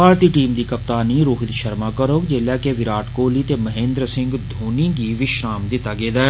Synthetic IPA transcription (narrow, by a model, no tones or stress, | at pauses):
paːɾt̪iːʈiːmd̪iːkəp̚t̪aːniɾoːɦɪd̪ʃəɾmaːkəɾoːkd͡ʒeːlɛːkeʋɪɾaːʈkoːliːt̪eːməɦẽːnd̪ɾəsɪ̃ŋɡd̪ʱoːnĩːɡiːʋɪʃɾaːmd̪ɪt̪ːaːɡeːd̪aː